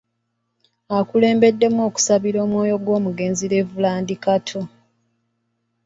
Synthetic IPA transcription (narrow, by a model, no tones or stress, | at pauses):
akule̞ːmbe̞dːe̞mo̞ːku̥saβiɾo̞ːmwo̞ːjo̞ɡwo̞ːmuɡe̞ːnziɾe̞vulaːndikatʰo̞